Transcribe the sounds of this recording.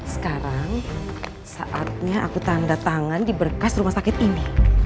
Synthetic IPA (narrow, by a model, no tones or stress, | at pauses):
sə̥kaɾaŋ | saʔat̪̚ɲaʔakut̪andat̪aŋandibərkasɾumasakɪt̪̚ini